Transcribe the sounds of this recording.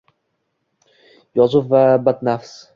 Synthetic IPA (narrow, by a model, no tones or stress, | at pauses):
jɒzʊfvabat̪nafs